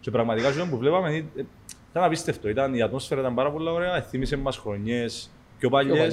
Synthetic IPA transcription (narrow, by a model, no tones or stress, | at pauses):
sepɾɐɣmɐt̪ikɐsilompuvlepɐmeni | it̪ɐnɐpist̪e̞ft̪o̞it̪ɐniɐt̪mo̞sfeɾɐit̪ɐmpɐɾɐpolːɐoɾeɐeθimisemːɐsxɾo̞ɲːes | co̞pɐʎːe